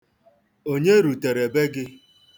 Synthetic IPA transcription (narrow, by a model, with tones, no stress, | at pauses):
o˦ɲe˦ɾu˨te˨ɾe˨be˦ɡɪ˦